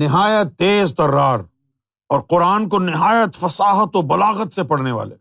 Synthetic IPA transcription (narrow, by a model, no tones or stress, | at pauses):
nɪɦaːjət̪ːeːzt̪ɐrːaːɾ | ɔːɾqʊɾaːnkonɪɦaːjət̪fɐsaːɦət̪obɐlaːɣət̪sepɐɽneʋa̰ːlḛː